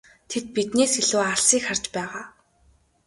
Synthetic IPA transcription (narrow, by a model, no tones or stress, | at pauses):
t̪ʰet̪̚pit̪neːsxiɮuːaɮsiːkχart͡ɕpæːʁaː